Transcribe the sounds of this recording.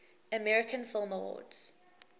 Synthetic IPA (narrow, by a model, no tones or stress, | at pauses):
əmɛɹɪkʰə̃nfɪlˠməwɔ̰dz̥